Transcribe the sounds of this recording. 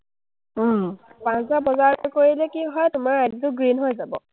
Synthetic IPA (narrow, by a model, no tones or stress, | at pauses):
pãnszabɔzaɹɔkoɹilɛkiɦɔjtʊmaɹːaditʊɡɹinɦojzabɔ̰